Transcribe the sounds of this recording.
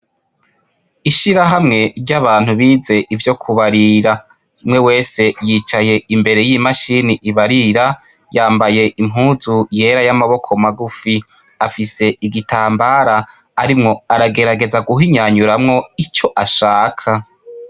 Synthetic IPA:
iʃiɾaɦamŋe̞ɾɟaβaːn̥huβiːze̞ʔivjo̞kʰuβaɾiɾa | umŋe̞we̞ːse̞jit͡ʃaje̞imbe̞ɾe̞jimaʃiːniʔiβaɾiɾa | jaːmbaje̞ʔimɦuːzuje̞ːɾajamaβo̞kʰo̞maɡufi | afise̞iɡitaːmbaːɾaː | ɾimŋo̞aɾaɡe̞ɾaɡe̞zaɡuɦiɲaɲuɾamŋo̞it͡ʃo̞ʔaʃaːkʰa

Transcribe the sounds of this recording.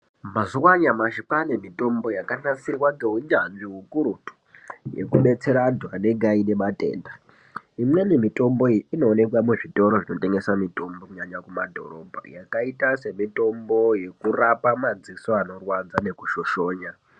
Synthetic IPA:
mazuwaɲamaʃipanemitʼo̞mbo̞jakanasirwaŋɡeɦuɲd͡ʒanʐiɦukuɾutu̥jḛkuɓe̞t͡se̞ɾadʱwane̞ɡʱaine̞matʼe̞̰ːnda | iminenemitʼo̞mboino̞ːne̞kwamuʐito̞ɾoʐino̞te̞ŋɡe̞samitʼo̞mbokuɲaɲakumadʱo̞̰ɾo̞ːbʱa̰jakaitase̞mito̞mbo̞je̞kurapamad͡zisoano̞rwad͡zane̞kuʃo̞ʃo̞ːɲa

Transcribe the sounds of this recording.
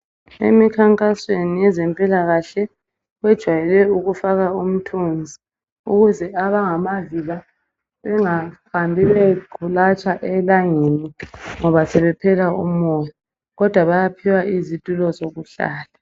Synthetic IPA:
ḛmikʰaŋkʼaswenijɛzɛmpʼilaɣaɬɛ | ɣwɛd̥ʒ̥ʱwajɛlɛuɣufaɣaum̩tʰund͡zʱi | ṵɣuzɛaβaŋamaviɣa | βɛŋahambʱiβɛɡʱulat͡ʃʼaʔɛlaŋeniŋɔβasɛβɛpʰɛlaum̩ɔjɔ | ɣɔd̥ʱwaβajapʰiwaʔizitʼulɔzoɣuɬa̰ːla

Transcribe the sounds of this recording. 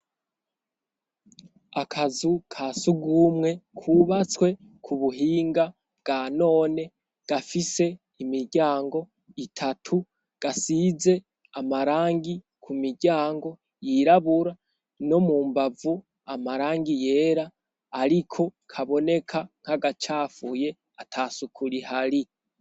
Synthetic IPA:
akʰazukʰaːsuɡumŋe̞kʰuβat͡swe̞ | kʰuβuɦiːŋɡa | bɡ̥ano̞ːne̞ | ɡ̥afise̞ | imiɾɟaːŋɡo̞ | itʰatʰu | ɡ̥asize̞ | amaɾaːŋɡi | kʰumiɾɟaːŋɡo̞ | jiɾaβuɾa | no̞muːmbavu | amaɾaːŋɡije̞ːɾaː | ɾikʰo̞kʰaβo̞ne̞kʰaŋ̥haɡat͡ʃaːfuje̞ | atʰaːsukʰuɾihaɾi

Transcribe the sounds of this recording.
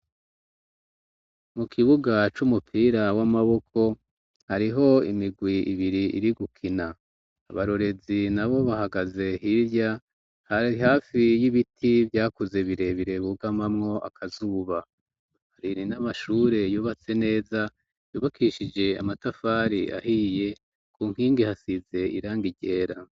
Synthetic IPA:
mukʰiβuɡat͡ʃumupʰiːɾawamaβo̞kʰo̞ | haɾiɦo̞imiɡwiḭβiɾiḭɾiɡukʰina̰ː | βaɾo̞ɾe̞zinaβo̞βaɦaɡaze̞hiɾja | hiɦaːfijiβitʰivjaːkuze̞βiɾe̞βiɾe̞βuɡamamŋo̞ʔa̰kʰazuːβa | haɾiɾinamaʃuːɾe̞juːβat͡se̞ne̞ːza | juːβakʰiʃid͡ʒe̞a̰matafaːɾia̰hije̞ | kʰuːŋ̥hiːŋɡihasize̞iɾaːŋɡiɟe̞ːɾa

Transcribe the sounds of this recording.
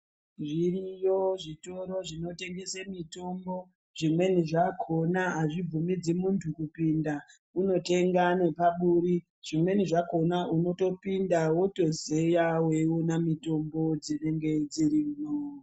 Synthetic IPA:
ʐirijoʐito̞ɾo̞ʐino̞te̞ŋɡe̞semito̞mbo | ʐ̥imwe̞niʐakʰo̞naaʐib͡vumid͡zimuntʰukupinda | uno̞te̞ŋɡane̞paɓuɾi | ʐ̥imwe̞niʐako̞nauno̞to̞pindawoto̞ze̞jawe̞onamito̞mbo̞d͡zine̞ŋɡe̞d͡zirino

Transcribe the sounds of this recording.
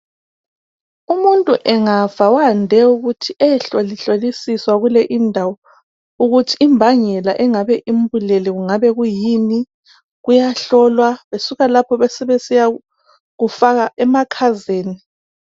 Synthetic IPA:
umuntʼuʔɛŋav̥awandʱɛuɣutʰiʔɛɛɬoliɬolisiswaɣulɛʔindʱawɔ | uɣutʰiːmbʱaɲɛlaʔɛŋaβɛʔimbʱuleliɣuŋaβɛɣujini | ɣujaɬɔlwaβesuɣalapʰɔβɛsɛβesija | ɣufaɣaʔɛmakʰazeːni

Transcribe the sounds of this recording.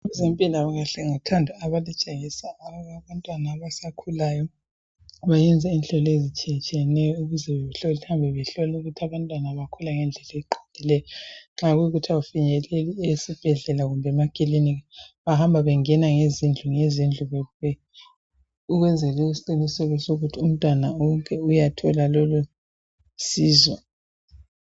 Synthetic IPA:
ɛzempʼilaβaɣaɬɛŋatʰandʱaaβalit͡ʃʼeɣisaːɣaβantʼwanaːβasakʰulajɔ | βajɛnd͡zʱainɬʼɔlezit͡ʃʼijɛt͡ʃʼijɛnɛjɔuɣuzɛβɛβɛɬɔlitʰambʱɛβɛɬɔlɛuɣutʰiaβantʼwanaβakʰulaŋɛnd͡ɮʱɛlɛiǃo̥nd̥ʱilɛjɔŋ͡ǁaɣujuɣutʰiaufiɲɛleliesib̥ʱɛɮɛlaɣumbʱɛmaɡ̥ʱʼiliniβahambʱaβɛŋɛnaŋezind͡ɮʱuŋezind͡ɮʱuβɛɛ | uɣwɛnd͡zʱɛlɛisiǃinisɛlɛsoɣutʰium̩tʼwanaŋkʼʰɛujatʰɔlalɔlu | siːzwɔ

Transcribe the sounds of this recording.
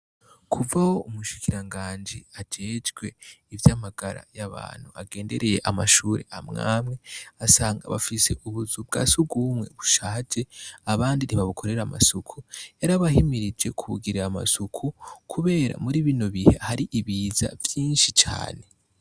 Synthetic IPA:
kʰuvaho̞ʔumuʃi̥kiɾaŋɡaːnd͡ʒiad͡ʒe̞ːd͡ʒɡwe̞ivjaːmaɡ̥aɾa̰jaβa̰ːn̥huaɡeːnde̞ɾe̞je̞ʔamaʃuːɾḛamŋa̰ːmŋe̞asaːŋɡa̰βafise̞̰ʔuβuzub̚ɡa̰ːsuɡumŋe̞̰βuʃad͡ʒeaβaːndiniβaβukʰo̞ɾe̞ɾama̰sukʰuaɾaβahimiɾid͡ʒe̞kʰuβṵɡiɾaama̰sukʰukʰuβe̞ːɾa̰muɾiβinoβihehaɾiʔiβiːza̰vjiːnʃit͡ʃa̰ːne̞

